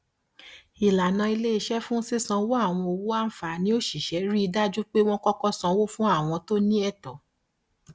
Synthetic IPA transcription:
i˨la˨nã˧i˧le˦i˧ʃɛ˦fũ˦si˦˨sã˧wo˦a˦˨w̃ɔ̃˧o˧wu˦a˦n̩˨fa˨nĩ˦o˦ʃi˨ʃɛ˨˦ɾi˦i˧da˦d͡ʒu˦k͡pe˦w̃ɔ̃˦kɔ˦kɔ˦sã˧wo˦fũ˦a˦˨w̃ɔ̃˧to˦nĩ˦ɛ˦˨tɔ˨

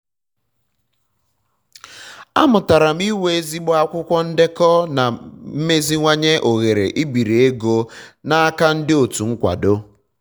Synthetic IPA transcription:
a̰˦mʊ˨ta˨ɾa˨m̩˦i˦we˦e˦zi˦ɡ͡bɔ˦a˦kʷʊ˦kʷɔ˦n̩˦dɪ˦kɔ˦na˨m̩˦me˦zi˦ŋʷa˦ɲe˦ʔo˨ɣe˨ɾe˨ʔi˦bi˨ɾe˨e˦ɡo˦na˦a˦ka˦n̩˦dɪ˦o˨tu˨ŋ̩˦kʷa̰˨do˦

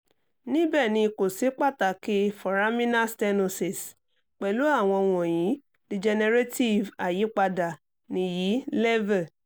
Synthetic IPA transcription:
nĩ˦bɛ˦˨nĩ˧ko˨si˨˦k͡pa˦˨ta˨ki˦fɔ˨ɾa˦mĩ˦na˦stɛ˧no˧si˨s | k͡pɛ˨lu˨˦a˦˨w̃ɔ̃˧w̃ɔ̃˨jĩ˨˦ | di˧d͡ʒɛ˧ne˧ɾe˦ti˦˨va˨ji˨˦k͡pa˧da˨ | nĩ˧ji˨˦lɛ˦vɛ˦˨

